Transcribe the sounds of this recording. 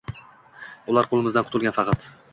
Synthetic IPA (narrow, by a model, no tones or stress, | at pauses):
ʊlˠaɾqʰolˠɪmɪzd̪anqʰʊt̪ʰʊlˠɡʲanfɑqʰɑt̪